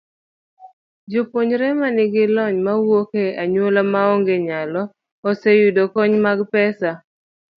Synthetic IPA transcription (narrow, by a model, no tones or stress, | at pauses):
d͡ʒopoɲɾɛmanɪɡɪlɔɲmawokeaɲwolamaɔŋɡeɲalɔ | ɔsejudokɔɲmaɡpɛsa